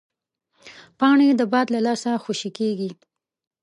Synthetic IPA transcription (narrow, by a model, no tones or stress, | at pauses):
pɑɳed̪əbɑd̪lalɑsaxoʃikeɡi